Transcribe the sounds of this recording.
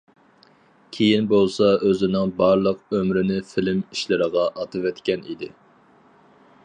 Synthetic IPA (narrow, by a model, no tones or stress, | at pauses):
kʲʰejinbolˠsɑøzɪnɪŋbɑɾlˠəqømɾɪnɪfilɪmiʃlɪɾəʁɑʔɑt̪ʰɨvɛt̪kʲɛnḭd̪ɪ